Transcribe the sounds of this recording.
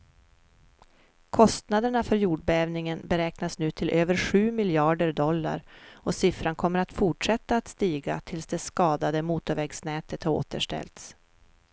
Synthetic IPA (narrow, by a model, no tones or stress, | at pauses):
kʰɔst̪nad̪əɳafœɾjuːɖbɛɛːvnɪŋənbɛɾɛːknasnʉ̟ːt̪ʰɪlʔøːvəɾɧʉ̟ːmɪljɑːɖəɾɖɔlːa̰ɾɔsɪfɾankʰɔmːəɾat̪fʊʈʂɛt̪ːaːt̪st̪iːɡa̰t̪ʰɪlsd̪ɛskɑːd̪ad̪əmuːt̪ʊvɛɡsnɛːt̪ət̪haɾo̰ːt̪ə̰ʂʈɛ̰lt̪s